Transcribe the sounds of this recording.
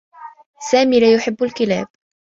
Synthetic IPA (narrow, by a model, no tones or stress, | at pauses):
saːmiːlaːjʊħɪbːʊlkɪlaːb̚